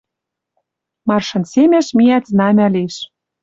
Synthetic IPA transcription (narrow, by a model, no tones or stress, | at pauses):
mɑrʃɤ̆nsemeʃmiæt̪znɑmæliʃ